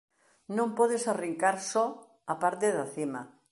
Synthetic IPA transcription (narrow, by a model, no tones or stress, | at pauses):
nõmpɔðesariŋkaɾsɔ | apaɾt̪̬eðaθima